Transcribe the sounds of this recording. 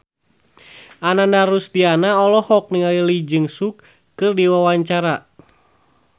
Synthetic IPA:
ʔanandaɾusdianaɔlɔhɔk̚niŋalilid͡ʒɨŋsukː | ɨrdiwawaɲt͡ʃaɾa

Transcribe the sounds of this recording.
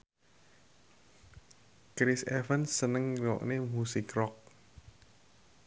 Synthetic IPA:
kɾisɛfənsənəŋɾɔ̰ʔnemusikɾɔk̚

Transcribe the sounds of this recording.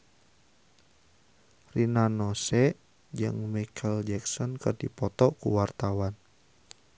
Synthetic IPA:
rinanɔsɛʔ | d͡ʒɨ̰ŋmikʰəld͡ʒɛksɔnkərdipɔt̪ɔkṵwart̪awan

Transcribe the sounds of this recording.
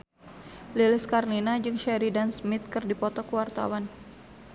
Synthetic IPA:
lilɪskarlinad͡ʒɨŋʃɛɾidansmɪt̪̚kɨrdipɔt̪ɔkəwart̪a̰wan

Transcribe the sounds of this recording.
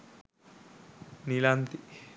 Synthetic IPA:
nilaːnt̪i

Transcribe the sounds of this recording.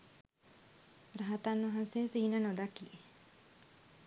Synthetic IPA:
ɾɐɦɐt̪anːʋɐɦanseːsiːnənod̪ɐkːi

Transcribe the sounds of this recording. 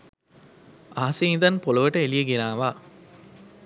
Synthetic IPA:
aɦɐseind̪ɐnpolɐʋɐʈɐelijeɡenaːʋaː

